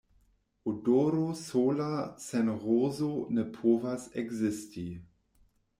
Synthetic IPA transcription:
ʔudoɾosoːlasɛnʁoːzonɛpʰoːvasɛɡzɪsti

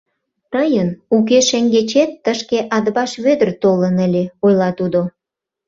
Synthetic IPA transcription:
t̪əjənuk̬eʃeŋɡet͡ɕet̪ːəʃkeʔɑd̪βɑʃβød̪ərt̪olənəlʲeojlɑt̪ud̪o

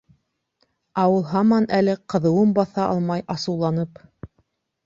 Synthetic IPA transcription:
ɑwɤlˠɦɑmɑnælɘqɤ̆ðɤ̆wɤmbɑθɑʔɑ̰lˠmɑjɑsɤ̆wlˠɑnɤp

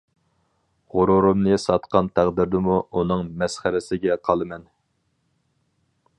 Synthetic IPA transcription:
ʁʊɾuɾumnɨsɑt̪qɑnt̪ʰæʁd̪ɪɾd̪ɪmuunɨŋmɛsχæɾɪsɪɡʲɛqʰɑlˠɨmɛn

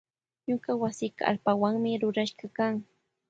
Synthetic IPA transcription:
ɲʊkawasɪːkaa̰lpawaŋmɪɾʊɾaʃɢɑkaŋ

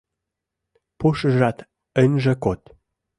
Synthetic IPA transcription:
puʃəʒɑt̪ | ə̆nʲʒə̆kot̪

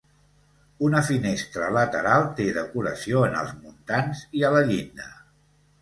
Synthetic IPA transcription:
unəfinest̪ɾələt̪əɾalˠt̪eðəkuɾə̰sioənə̰lˠzmunt̪anziələʎind̪ə

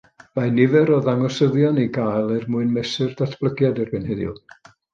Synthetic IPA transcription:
majnɪvɛɾɔðaŋɔsəðjɔniɡaːjlˠɛrmʊɨnmɛsɨrdatʰb̥lˠəɡjadɛrbɛnhɛðjʊ̰lˠ

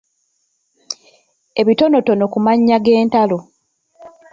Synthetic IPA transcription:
e̞βito̞no̞to̞no̞kumaɲːaɡe̞ːntalo̞

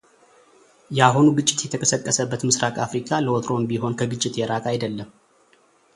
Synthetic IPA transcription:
jaɦo̞nuɡɨt͡ʃʼːɪ̥t̪jɛt̪ʰəkʰəsəkʼːəsəbːət̪mɨsɾakʼafɾikʰaləwot̪ʰɾo̞mbiho̞nkʰəɡɨt͡ʃʼːɪt̪ʰeɾakʼajd̪əlːəm

